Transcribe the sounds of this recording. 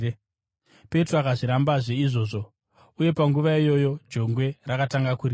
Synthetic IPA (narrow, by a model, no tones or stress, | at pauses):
pe̞troakaʐiɾambaʐe̞iʐo̞ːʐo̞ | uje̞paŋɡuʋaijo̞jo̞d͡ʒo̞ŋɡwe̞rakataŋɡakuri